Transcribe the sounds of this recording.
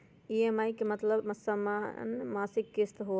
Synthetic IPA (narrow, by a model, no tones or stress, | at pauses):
ieːmaːikemɐt̪ləbmɐsamanmaːsɪkːɪst̪ɦo